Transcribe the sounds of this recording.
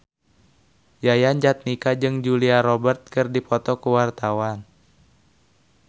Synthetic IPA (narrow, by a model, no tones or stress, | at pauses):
jajand͡ʒat̪̚nikad͡ʒɨŋd͡ʒuliaɾɔbərt̪̚kɨrdipɔt̪ɔkuwart̪awan